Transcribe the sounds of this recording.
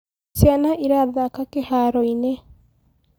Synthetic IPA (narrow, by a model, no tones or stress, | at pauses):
t͡ʃjanaʔiɾaðakakehaɾɔine